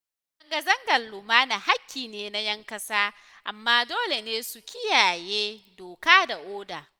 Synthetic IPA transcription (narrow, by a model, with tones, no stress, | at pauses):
ɐ˦ŋɡɐ˦zɐ˦ŋɡɐ˨lːʊ˨maː˦na˨ha˦kʲːiː˨neː˨na˦jɐ˦ŋkɐ˦saː˦ | ʔa˨mːaː˦doː˦le˨neː˦su˨kʲɪ˦jaː˨jeː˦doː˨kaː˦da˨ʔoː˦daː˨